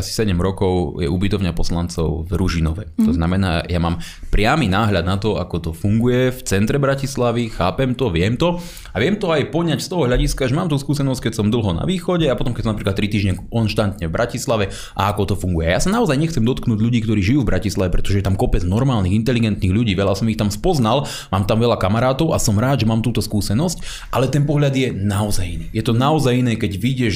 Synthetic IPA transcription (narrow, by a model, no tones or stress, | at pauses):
asi̥sɛɟɛmɾɔkɔʊjɛ̰ubit̪ɔʊɲapɔslant͡sɔ̰ʊvɾuʒinɔʋɛt̪ɔznamɛna̰ːjama̰ːm | pɾɪaminaːɦʎad̪̚nat̪ɔa̰kɔt̪ɔfuŋɡujɛɛft͡sɛnt̪ɾɛbɾacislaʋixaːpɛmt̪ɔʋɪɛmt̪ɔ | aʋɪɛmt̪ɔajpɔɲacst̪ɔɦɔɦʎaɟiskaaʒɛmaːmt̪uskuːsɛnɔsc̚kɛcsɔmd̪l̩ɦɔna̰ʋiːxɔɟɛapɔt̪ɔmkɛcsɔmnapɾiklat̪ːɾit̪iːʒɲɛɔnʃt̪ant̪ɲɛvbɾʔacislaʋɛ | ʔa̰akɔt̪ɔfuŋɡujɛ̰ajasanaɔzajɲɛxt͡sɛmd̪ɔt̪knuːɟʎuɟiːkt̪ɔɾiːʒijuːvbɾacislaʋɛpɾɛt̪ɔʒɛjɛt̪amkɔpɛd͡znɔɾmaːlniɣint̪ɛliɡɛnt̪niːɣʎuɟiːʋɛʎasɔmixt̪amspɔznal | maːmt̪amʋɛʎakamaɾaːt̪ɔʊasɔmɾaːd̪ʒɛmaːmt̪uːt̪ɔskuːsɛnɔsc | ʔalɛt̪ɛnpɔɦʎad̪jɛnaɔza̰jḭniːjɛt̪ɔnaɔzajinɛːkɛɟʋiɟɛʃ